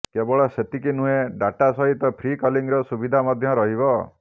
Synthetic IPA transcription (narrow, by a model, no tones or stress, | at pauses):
kebɔɭɔset̪ikinueɖaʈasɔɦit̪ɔpʰɾikɔliŋɾɔsubid̪ʱamɔd̪ʱjɔɾɔɦiβɔ